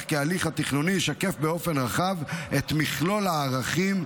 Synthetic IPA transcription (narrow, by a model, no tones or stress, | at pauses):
χkealiχhat̪iχnunijiʃake̞fbeo̞fe̞nʁaχavet̪miχlo̞laːʁaχim